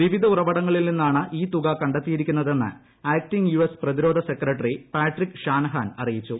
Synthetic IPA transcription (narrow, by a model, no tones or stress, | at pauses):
ʋiʋid̪ʱɐurɐbɐɽɐŋːɐɭilninːaːɳɨʔiːt̪uɣɐkɐɳɖɐt̪ːijiɾikʲːunːɐðe̞nːɨ̰ | aːk̚tiŋjuesprɐðiɾo̞ːd̪ʱɐse̞krɐʈːɐripaːʈrikːɕaːnɐɦaːnɐrijit͡ɕːu